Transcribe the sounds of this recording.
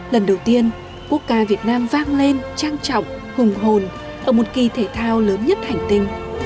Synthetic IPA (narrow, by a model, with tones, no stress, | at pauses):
lə˨˩nɗə˨˩wt̪i˧ən | ku˦˥ək̚kaː˨˦vi˨˩ət̚naː˧mvaː˧ŋle˧nt͡ɕaː˧ŋt͡ɕɔ̰˧˨wŋ͡m | hʊ˨˩ŋ͡mɦo˨˩n | ʔəː˧˩mo˨˩t̚ki˨˩t̪ʰe˧˩t̪ʰaː˧wləː˨˦nɲə˦˥t̚ha˨˩jŋ̟t̪ï˧ŋ̟